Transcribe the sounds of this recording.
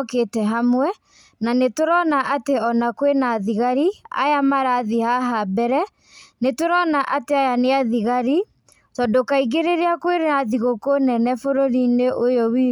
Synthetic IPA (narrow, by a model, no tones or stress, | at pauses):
ketɛɦamwɛ | nanetoɾɔnaʔateɔnakwenaðiɣaɾia̰jamaɾaðihaɦabɛɾɛ | netoɾɔnaʔateajaneaðiɣaɾi | tɔndokaiɣeɾeɾeakweɾaðiɣokonɛnɛfoɾoɾineʔojɔwiː